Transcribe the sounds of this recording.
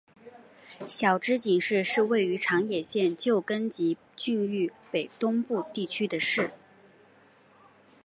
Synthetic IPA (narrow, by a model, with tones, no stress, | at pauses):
ɕjɑ˨˩ʊʈ͡ʂɻ̩˥t͡ɕi˨˩ŋʂɻ̩˥˧ʂɻ̩˥˧we˥˩ɪy˧˥ʈ͡ʂʰɑ˧˥ŋjɛ˨˩ɕjɛ˥˧nt͡ɕjo˥˩ʊkə˥nt͡ɕi˧˥ | t͡ɕy˥˧ny˥˩pe˨˩ɪt̪ʊ˥ŋpu˥˧t̪i˥˩t͡ɕʰy˥d̪ə˨ʂɻ̩˥˩